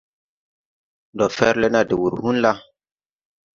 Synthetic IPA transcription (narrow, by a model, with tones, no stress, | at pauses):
ndɔ˨fɛ˦ɾle˦na˦de˨wu˨ɾhu˦nla˦